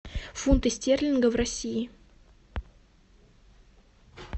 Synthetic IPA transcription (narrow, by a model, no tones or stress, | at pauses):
funt̪ɨsʲtʲerlʲɪnɡəvrɐsʲiɪ